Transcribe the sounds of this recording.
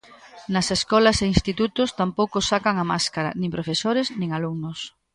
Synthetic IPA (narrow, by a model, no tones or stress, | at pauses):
nɐseskɔlɐseinst̪it̪ut̪ʊst̪ampowkosakaŋamaskaɾa̰nĩmpɾofesoɾeznĩŋaluŋnʊs